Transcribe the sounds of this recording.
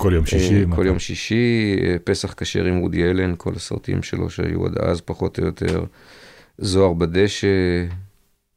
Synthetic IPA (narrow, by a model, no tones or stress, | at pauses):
koljomiikoljo̞mʃiʃiepe̞saχkaʃeʁimʁud̪ielenkʰo̞̰lasa̰ʁt̪iḭmʃe̞̰lo̞̰ʃea̰jṵa̰d̪a̰zpaχo̞t̪ojot̪ʰe̞ʁ | zo̞aʁbad̪e̞ʃe